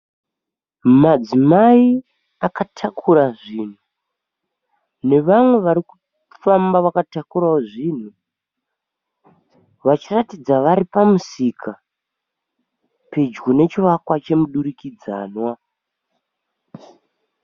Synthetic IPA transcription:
mmad͡zimai | akatʰakʰuɾaʐiːn̤u | ne̞ʋamwe̞ʋaɾiku̥ | fambaʋakatakuɾaoʐiːn̤u | ʋat͡ʃiratid͡zaʋaɾipamusikʰa | ped͡ʒɡone̞t͡ʃiʋakwat͡ʃe̞muɗuɾikid͡za̰ːnwa

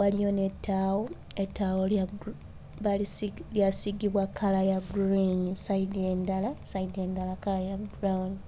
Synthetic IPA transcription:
walijo̞ne̞tʰːaːwoetːaːwo | βaliljasiɡiβwakʰalajaɡɾiɲusaidendalasaide̞ːndalakalajaɡɾawni

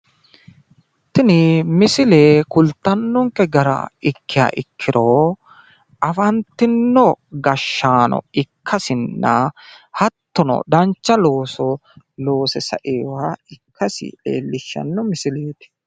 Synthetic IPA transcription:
t̪ːɪnɪmɪsɪleːkʊlt̪ːɐnːɔŋkɛɡɐɾɐ̰ɪkːɪja̰ːʔɪkʰːɪɾoː | ɐfɐnt̪ːɪnːɔɡɐʃːaːnɔ̰ɪkʰːɐsɪnːɐhɐt̪ːɔnɔ̰d̪ɐnt͡ʃːɐloːsɔ | lo̞ːsɛsɐ̰ʔeːwaɪkʰːɐsɪ̰ʔḛːlːɪʃːɐ̰nːɔmɪsɪleːt̪ɪ̥

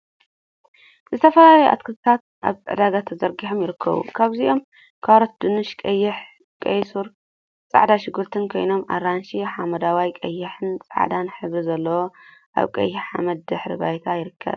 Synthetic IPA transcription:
zɨt̪ʰɐfɐlalɐjuʔa̰t̪kʰɨt̪ɨt̪ʰat̪̚ | ʔa̰βt̪ʼɨ̰ʕd̪aɡat̪ʰɐzɐɾɡiħomjɪɾɨkʰːɐ̰βṵkʰaβziʔo̞m | kʰaɾot̪̚d̪ɨnɨʃkʼɐjːɪħ | kʼɐjsuɾ | t͡sʼa̰ʕd̪aʃɪɡːɨɾt̪ʰɨnkʰo̞jno̞mʔa̰ɾanʃiħamɐd̪awajkʼɐjːɪħɨnt͡sʼa̰ʕd̪anħɨβɾizɐlːɐwoʔa̰βkʼɐ̰jːɪħa̰mɐd̪̚d̪ɨħɾiba̰jt̪ʰajɪɾɨkʰːɐ̰β

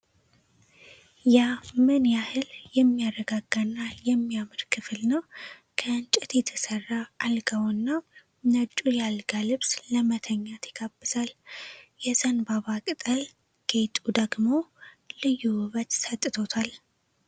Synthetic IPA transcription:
jamɨnjahɨljɛmːijarəɡaɡanːajɛmːijamɨɾkʰɨfɨlnəwkʰəɨnt͡ʃʼɛt̪jɛt̪ʰəsərːaːlɡawnːa | nət͡ʃʼujalɡalɨβsləmət̪ʰəɲːat̪ʰjɪɡ̥abːɨzaljɛzənbaβakʼɨt̪ʼəl | ɡ̥et̪ʼud̪əɡmo̞ | lɨjːuwβət͡ʃ̪sət̪ʼːɨt̪ʰo̞t̪ʰal

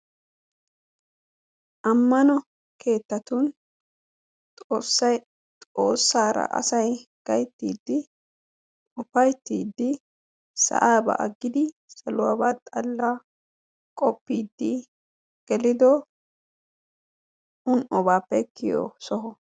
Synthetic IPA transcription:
ʔɐmːɐnɔ | kʰe̞ːt̪ːɐt̪ʊn | t̪ʼo̞ːsːɐj | t̪ʼo̞ːsːaːɾɐ̰ʔɐ̰sɐjɡ̥ɐjt̪ːiːd̪ːɪ | ʊfɐjt̪ːiːd̪ːɪ | sɐ̰ʔaːbɐ̰ʔɐɡːɪd̪ɪ | sɐlʊwa̰ːbat̪ʼɐlːa | kʼɔpːiːd̪ːɪ | ɡ̥ɛlɪd̪oː | ʊnɔbaːpːɛkʰːɪjo̰ːsɔɦɔ

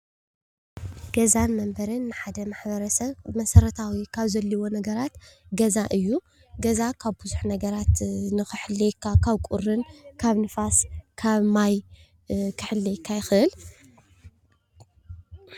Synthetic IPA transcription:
ɡ̥ɐzanmɐmbɐɾɨnːɨħad̪ɐmaħbɐɾɐsɐβmɐsɐɾɐt̪ʰawikʰaβzɐlːiwo̞nɐɡɐɾat̪ɡɐzaʔɨjːu | ɡɐzakʰaβbɨzuħnɐɡɐɾat̪nɨxɨħɨlːejkʰakʰaβkʷʼʊrɨnkʰaβnɨfaskʰaβmaj | kʰɨħɨlːejkʰːajɪxɨʔɨl

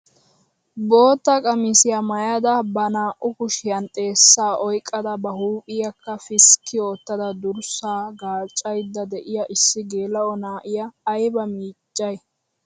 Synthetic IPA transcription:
bo̞ːt̪ːɐkʼɐmɪsɪjɐmɐjad̪ɐbɐnaːʔʊkʊʃɪjɐnt̪ʼe̞ːsːaːʔɔjkʼːɐd̪ɐbɐhuːpʼɪjɐkʰːɐfɪskːɪoːt̪ːɐd̪ɐd̪ʊɾsaːɡaːt͡ʃʼːɐjd̪ːɐd̪ɛʔɪjɐʔɪsːɪɡeːlɐɔnaːʔɪjɐːjbɐmiːt͡ʃʼːɐj

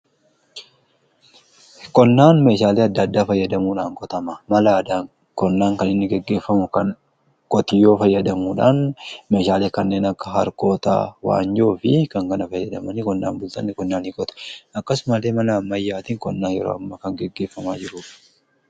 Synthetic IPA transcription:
kɔnːaːnme̞ːʃaːleːɐd̪ːɐd̪ːaːfɐjːɐd̪ɐmuːᶑaːŋkʼɔt̪ɐmɐmɐlaːd̪aː | kɔnːaːŋkɐnɪnːɪɡɛɡːe̞ːfːɐmʊkɐn | kʼɔt̪ɪjːo̞ːfɐjːɐd̪ɐmuːᶑaːnme̞ːʃaːleːkɐnːe̞ːnɐkːɐ̥ɦɐɾko̞ːt̪a̰ːwa̰ːnd͡ʒoːfɪkɐŋkɐnɐfɐjːɐd̪ɐmɐnikɔnːa̰ːnbʊlt̪ɐnːɪkɔnːaːnikʼɔt̪ɐ̥ɐkːɐsmɐle̞ːmɐnɐmːɐjːaːt̪ɪːŋkɔnːaːnjɛɾo̰ːɐmːɐkɐŋɡɛɡːe̞ːfːɐma̰ːd͡ʒɪɾʊːf

